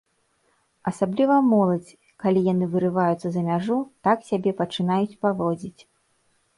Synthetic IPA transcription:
ɐsablʲivɐmɔlˠɐd͡zʲ | kalʲijanɨvɨɾɨvajut̪sːɐzɐmʲaʐut̪aksʲabʲɛpɐt͡ʂɨnajut͡sʲpavɔd͡zʲit͡sʲ

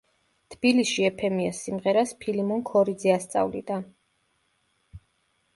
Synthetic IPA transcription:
t̪ʰb̥ilisʃiɛpʰɛmiasːimʁɛɾaspʰilimɔŋkʰɔɾid̪zɛast̪sʼa̰vlḭd̪a

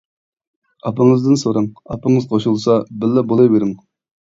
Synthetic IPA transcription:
ɑpəŋɨzd̪ɨnsoɾɑŋɑpɨŋɨzqʰoʃulˠsɑbɪlːɛbolˠɨjbeɾɪŋ

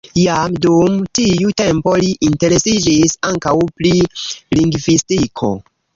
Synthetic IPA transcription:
jamdumtiute̞mpo̞liʔinte̞ɾe̞sid͡ʒisaŋkawpliliŋɡvistikʰo̞̰

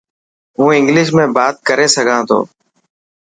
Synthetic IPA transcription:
ɦũːɪ̃ŋɡlɪʃ̬mẽːbaːt̪̚kəɾeːsəɡʱãːt̪ʰo̰ː

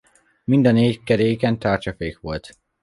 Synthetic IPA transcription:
mind̪ɒneːckɛɾeːjkɛnt̪aːrt͡ʃɒfeːkʋo̞lt̪

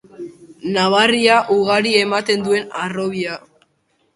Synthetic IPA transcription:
naβ̞ariaʔuɣ̞aɾie̞mat̪e̞nd̪ue̞naro̞β̞ia

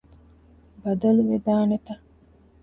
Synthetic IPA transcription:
bɐd̪ɐluʋed̪aːnet̪ɐ

